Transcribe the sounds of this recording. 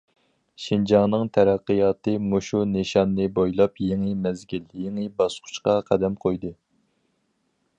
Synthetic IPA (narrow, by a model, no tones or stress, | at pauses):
ʃind͡ʒɑnɨŋt̪ʰɛɾæqːəjɑːt̪ɨmoʃuneʃɑnːɨbojlˠɑpjeŋɨmɛzɡʲiljeŋɨbɑsqʰʊ̥ʃqɑqʰæd̪ɛmqʰojd̪ɨ